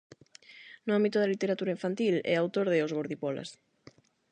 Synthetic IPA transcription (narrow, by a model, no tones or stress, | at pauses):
nʊãmbit̪ʊðalit̪eɾat̪uɾaiɱfant̪ilɛ̰awt̪oɾðɪozɣoɾðipɔla̰s